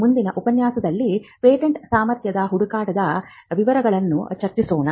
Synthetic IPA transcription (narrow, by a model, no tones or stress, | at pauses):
mund̪inɐʔupɐnjaːsɐd̪ɐlːipeːʈeɳʈsaːmɐɾt̪jɐd̪ɐɦuɽukaːʈɐd̪ɐ | ʋiʋɐɾɐɡɐɭɐnːut͡ʃɐɾt͡ʃisoːnɐ